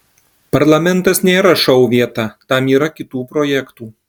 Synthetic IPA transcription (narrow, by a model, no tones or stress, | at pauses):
pɐɾlˠɐmʲɛnt̪ɐsnʲeːɾɐʃɐʊʋʲiɛt̪ɐt̪ɐmiːɾɐkʲɪt̪uːpɾɔːjɛkt̪uː